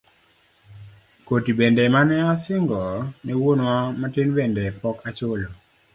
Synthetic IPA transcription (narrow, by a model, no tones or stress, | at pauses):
kotibendɛmanɛɔsɪŋɡɔnɛwonwamatɪnbendɛpɔkat͡ʃolo